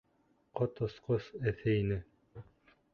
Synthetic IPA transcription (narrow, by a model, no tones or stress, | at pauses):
qot̪ŏsqosɘθɘinɘ